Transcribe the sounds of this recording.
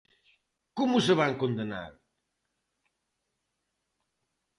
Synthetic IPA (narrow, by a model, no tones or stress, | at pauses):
kumusəβaŋkond̪ena̰ɾ